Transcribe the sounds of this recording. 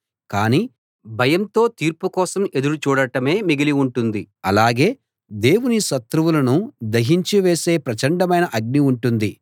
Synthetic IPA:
kaːniː | bʱɐjɐmt̪o̞ːt̪iːɾpukɔːsɐme̞d̪uɾut͡ʃuːɽɐʈɐme̞ːmiɡiliuɳʈund̪iɐlaːɡe̞ː | d̪e̞ːwuniʃɐt̪ɾuʋulɐnud̪ɐɦiɲt͡ʃiʋe̞ːse̞ːpɾɐt͡ʃɐɳɖɐmɐjnɐʔɐɡ̚niuɳʈund̪i

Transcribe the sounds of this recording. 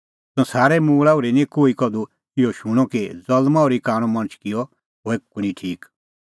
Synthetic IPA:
tɔ̃saːɾɛmũːɭauɾinikoːikɔd̪u | kɪjɔʃuɽ̃ɔ̃ked͡zɐlmãɔːɾikaːɽ̃ɔ̃mɐ̃ñt͡ʃkɪjɔ | ɦoekːunĩʈʰiːk

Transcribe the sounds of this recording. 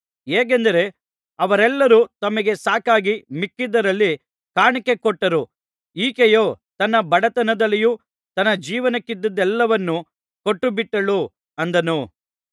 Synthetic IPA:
eːk̬end̪ɐɾe̞ | ɐʋɐɾɛlːɐɾut̪ɐmɐɡe̞saːkaːɡimikːid̪ɐɾɐlːi | kaːɳɐke̞kɔʈːɐɾu | iːkejoː | t̪ɐnːɐbɐɽɐt̪ɐnɐd̪ɐlːiju | t̪ɐnːɐd͡ʒiːʋɐnɐkːid̪ːɐd̪ːɛlːɐʋɐnːu | koʈːubiʈːɐɭu | ɐnd̪ɐnu

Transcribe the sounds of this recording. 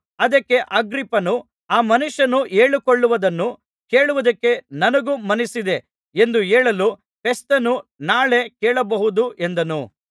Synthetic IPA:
ɐd̪ɐkːe̞ʔɐɡɾipːɐnu | aːmɐnuʂːɐnueːɭikoɭːuʋɐd̪ɐnːu | ke̞ːɭuʋɐd̪ɐkːe̞nɐnɐɡumɐnisid̪e̞ | e̞nd̪ueːɭɐlu | pe̞st̪ɐnunaːɭe̞keːɭɐbɐɦud̪uʔe̞nd̪ɐnu

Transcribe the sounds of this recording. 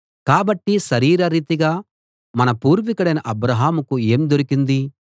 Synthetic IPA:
kaːbɐʈːiʃɐɾiːɾɐɾiːt̪iɡaː | mɐnɐpuːɾʋikɐɽɐjnɐʔɐbɾɐɦaːmukue̞ːmd̪oɾikind̪i

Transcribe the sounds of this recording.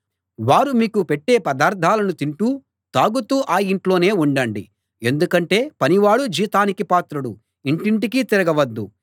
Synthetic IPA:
ʋaːɾumiːkupeʈːe̞ːpɐd̪aːɾd̪ʱaːlɐnut̪iɳʈuː | t̪aːɡut̪uːʔaːjiɳʈlo̞ːne̞ːuɳɖɐɳɖḭ | e̞nd̪ukɐɳʈe̞ːpɐniʋaːɽud͡ʒiːt̪aːnikipaːt̪ɾɐɽu | iɳʈiɳʈikiːt̪iɾɐɡɐʋɐd̪ːu

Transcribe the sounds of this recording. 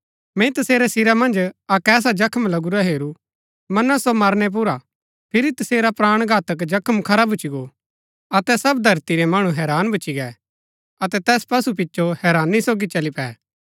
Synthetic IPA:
mɛ̃it̪ɐseːɾɛsɪɾamɐ̃nd͡ʒakɛːs̬ad͡ʒɐkʰəmlɐɡuɾaɦeːɾu | mɐnəsomɐɾnɛp̬ʊɾa | pʰɪɾit̪ɐseːɾapɾaːɽ̃ɡʱaːt̪ək̬d͡ʒɐkʰəmkʰɐɾabʱʊt͡ʃiɡo | ɐt̪ɛsɐbd̪ʱɐɾt̪iɾɛmɐɽ̃ũɦɛːɾaːnbʱɐːt͡ʃiɡɛ | ɐt̪ɛt̪ɛːspɐsup̬ɪtːʃʰohɛːɾaːnːisoːɡit͡ʃɐlipɛː

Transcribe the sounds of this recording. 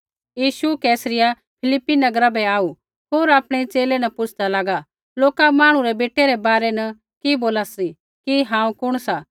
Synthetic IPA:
jiːʃukɛːsɾɪja | pʰɪlɪpːinɐɡɾabɛaːu | ɦoːɾaːpɽ̃ɛt͡ʃeːlɛnɐpʊt͡ʃʰd̪alaːɡa | loːkamaːɽ̃ũɾɛbeːʈeɾɛbaːɾɛnɐ | kiboːlasi | kiɦãːũkʊɽ̃sa

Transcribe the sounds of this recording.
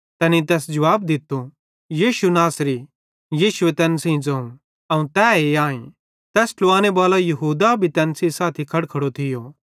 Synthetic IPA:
t̪ɛːnit̪̬ɛːsd͡ʒɐʋaːb̚d̪ɪt̪ːu | jiːʃunaːsɾi | jiːʃʊʋet̪ɛːnsĩd͡zɐ̃ũ | ɐũt̪ɛːeãːẽ | t̪ɛːsloaːñebaːlajɐɦuːd̪abʱit̪ɛːnsĩsaːt̪ʰikʰɐɽkʰɐɽot̪ʰɪjo

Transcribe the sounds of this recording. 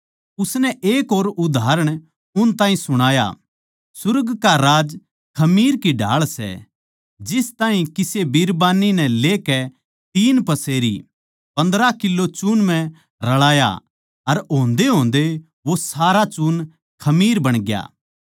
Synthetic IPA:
ʊsnɛʔeːkoːɾʊd̪ʱaːɾəɽ̃ | ʊnt̪ãːɦĩsʊɽ̃aːja̰ | sʊɾɡkaɾaːd͡ʒ | kʰɐmiːɾkiɖʱa̰ːɭsɛ̰ | d͡ʒɪst̪aːɦĩkɪsebiɾbaːninɛ̃leːkɛ | t̪iːnpɐseːɾḭ | pɐ̃nd̪ɾakɪlːot͡ʃunmɛ̃ | ɾɐɭaːja̰ | ɐɾõːnd̪eɦõːnd̪e | ʋosaːɾat͡ʃuːn | kʰɐmiːɾbɐɽ̃ɡja̰ː

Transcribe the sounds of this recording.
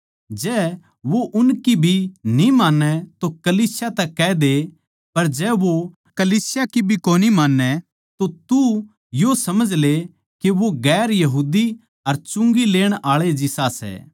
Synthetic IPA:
d͡ʒɛː | ʋoʔʊnkibʱinĩmaːnːɛt̪okɐliːsjat̪ɛkɛːd̪e | pɐɾd͡ʒɛːʋo | kɐliːsɪjakibʱikoːnimaːnːɛ | t̪ot̪u | josɐməd͡ʒle | keʋoɡɛːɾjɐɦuːd̪i | ɐɾt͡ʃʊ̃ŋɡileːɽ̃aːɭed͡ʒɪsasɛ̰ː

